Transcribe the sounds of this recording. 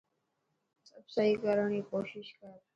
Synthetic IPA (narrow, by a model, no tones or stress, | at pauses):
səbsəɦikəɾəɳikoʃiʃkə